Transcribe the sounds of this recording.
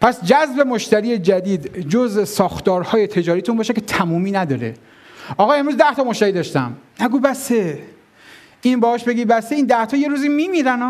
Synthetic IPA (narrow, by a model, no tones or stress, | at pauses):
pʰæsd͡ʒæzbe̞moʃt̪æɾiːed͡ʒæd̪iːd̪d͡ʒozesɒːxt̪ɒːɾhɒːje̞t̪ʰe̞d͡ʒɒːɾijt̪ʰunmbɒːʃekʲʰet̪ʰæmuːmiːnæd̪ɒːɾḛ | ɒːɣɒːe̞mɾuzd̪æht̪ɒːmoʃt̪æɾiːd̪ɒːʃt̪æ̰mnæɡubæse | ʔinbɒhɒːʃbe̞ɡiːbæseiːnd̪æht̪ʰɒːje̞ɾuːziːmiːmiɾænɒː